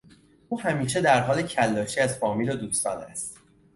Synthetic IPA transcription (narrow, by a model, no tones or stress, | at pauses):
uːhæmiːʃe̞d̪æɾɦɒːle̞cʰælːɒːʃiːæzfɒːmiːlod̪uːst̪ɒ̰ːnæ̰st̪